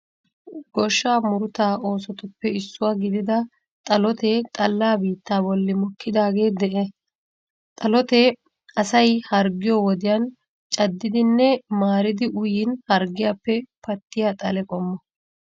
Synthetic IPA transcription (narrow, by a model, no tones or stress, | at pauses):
ɡɔʃːaːmʊɾʊt̪aːo̞ːsɔt̪ʊpːɛɪsːʊwaːɡɪd̪ɪd̪ɐ | t̪ʼɐlɔt̪ɛt̪ʼɐlːaːbiːt̪ːaːbɔlːɪmɔkʰːɪd̪aːɡe̞ːd̪ɛʔɛ | t̪ʼɐlɔt̪ɛ | ɐsɐjhɐɾɡɪjɔwɔd̪ɪjɐn | t͡ʃʼɐd̪ːɪd̪ɪnːɛmaːɾɪd̪ɪʔʊjɪnhɐɾɡɪjaːpːɛpɐt̪ːɪjaːt̪ʼɐlɛkʼɔmːɔ